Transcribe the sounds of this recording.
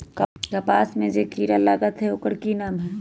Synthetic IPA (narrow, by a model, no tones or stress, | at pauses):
kkɐpaːsmẽd͡ʒeːkiːɾalaːɡət̪ɦɛoʊkəɽkinaːmɦɛː